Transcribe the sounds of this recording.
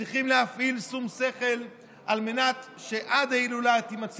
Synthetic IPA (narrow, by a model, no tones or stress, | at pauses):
iχimlehafʔilsumse̞χe̞l | almenat̪ʃeʔad̪ailulat̪imat͡s